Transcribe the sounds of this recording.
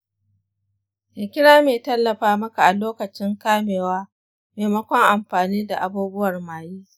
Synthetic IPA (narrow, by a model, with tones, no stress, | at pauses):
ʔa˨kʲɪ˦ɽaː˦meː˨tɐ˦lːɐ˨ɸaː˦mɐ˦ka˨ʔa˨loː˦kɐ˨t͡ʃɪ˦ŋkaː˦meː˨waː˦ | meː˨mɐ˦kʷɔ˦ŋʔa˨mɸaː˨niː˦da˨ʔa˨buː˦bʊ˦wɐ˨rmaː˨jiː˦